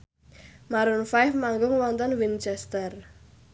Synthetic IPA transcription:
maɾʊnfaɪfmaŋɡʊŋwɔnt̪ɔnwint͡ʃɛst̪ər

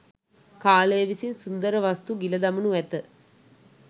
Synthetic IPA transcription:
kaːleːʋisinsund̪ɐɾɐʋɐst̪uɡilɐd̪ɐmunuʋɛt̪ːɨ

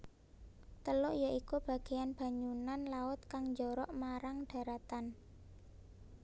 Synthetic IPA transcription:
t̪əlʊʔjaʔikub̥ä̤ɡ̥e̤janb̥a̤ɲunanlaʊt̪̚kaŋɲd͡ʒɔɾɔʔmaɾaŋɖ̥a̤ɾat̪an

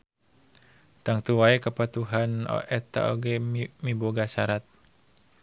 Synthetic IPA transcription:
t̪aŋt̪uwaekapat̪uɦanɔ̰ʔɛt̪a̰o̰ɡɛmiboɡasaɾat̪̚

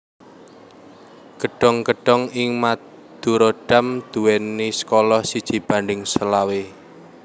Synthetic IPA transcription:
kəɖ̥ɔ̤ŋkəɖ̥ɔŋɪŋma | d̪̥uɾoɖ̥a̤md̪̥ṳwɛnːisə̥kolɔhsid̥ʒ̥i̤b̥a̤ɳɖɪŋsəlawe

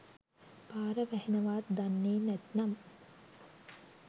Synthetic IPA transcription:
paːɾəʋæhenɐʋaːt̪d̪anːeːnæt̪nam

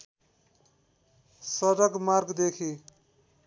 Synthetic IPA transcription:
sʌɾʌɡmarɡd̪ekʰi

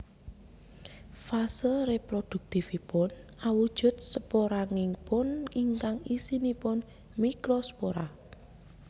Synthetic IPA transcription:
fasəlrepɾod̪̥ṳk̚t̪ifipʊnawud̥ʒ̥ʊ̤t̪̚səpoɾaŋɪŋpʊniŋkaŋisinipʊn | mikɾosə̥poɾa

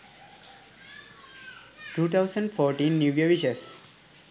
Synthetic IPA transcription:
ʈuːt̪ʰaʊsə̃ɳɖfɔːɾʈĩnːjuːʋjəʋiʃəs

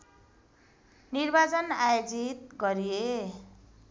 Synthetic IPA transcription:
nirbat͡sʌnajod͡zit̪ɡʌɾije

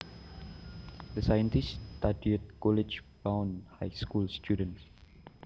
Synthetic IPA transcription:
dəsajə̃ntist̪adiut̚kɔlɛd͡ʒbãw̃nhajskulst̪ʰjudə̃ns

